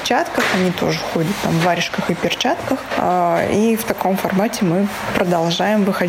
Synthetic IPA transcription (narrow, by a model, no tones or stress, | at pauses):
t͡ɕat̪kəxɐnʲit̪o̞̰ʐɨxodʲət̪ːa̰mvːaɾʲɪʂkəxɨpʲɪrt͡ɕat̪kəx | ift̪ɐko̞mfɐrmatʲɪmɨ | pɾəd̪ɐlˠʐajɪmvɨxɐ